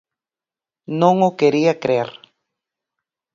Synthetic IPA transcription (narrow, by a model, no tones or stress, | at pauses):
nõŋokeɾiakɾeɾ